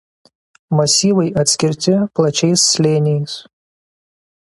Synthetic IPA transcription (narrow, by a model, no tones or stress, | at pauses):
mɐsʲiːʋɐɪʔɐt̪ʲsʲkʲɪɾʲt̪ʲɪplˠɐt͡ʃʲɛɪsːʲlʲeːnʲɛjɪs